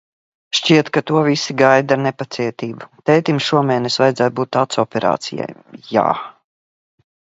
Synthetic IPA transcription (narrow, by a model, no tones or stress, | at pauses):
ʃt͡ʃiɛt̪kat̪uɔvisiɡajd̪anepat̪siɛt̪iːbut̪ɛjt̪imsʃuɔmɛːnɛsvajd̪zaːj̪buːt̪ːat̪sɔpɛɾa̰ːt̪sija̰jːa̰ː